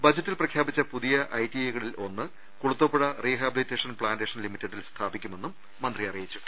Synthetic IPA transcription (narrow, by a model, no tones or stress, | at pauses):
bɐd͡ʑɐtːilprɐkʰjaːbit͡ɕːɐpuðijɐʔɐjtieɣɐɭilo̞nːɨ | kuɽut̪ːopːuɽɐriːɦaːbilitːe̞ːʂɐnpɭaːndeːʂɐnlimitːɐɖːilst̪ʰaːbikʲːume̞nːumːɐnd̪rijɐrijit͡ɕːu̥